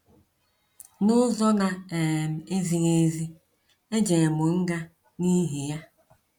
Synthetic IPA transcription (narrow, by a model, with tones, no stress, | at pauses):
nʊ˦zɔ˦na˦e˨m̩˨e˦zi˨ŋe˦zi˦ | e˦d͡ʒe˨e˨mʊ˨ŋ̩˦ɡa˦ | ni˦ɦi˨ja˦